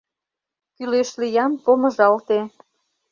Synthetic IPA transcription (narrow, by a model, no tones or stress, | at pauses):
kyleʃlijɑmpomə̆ʒɑlt̪e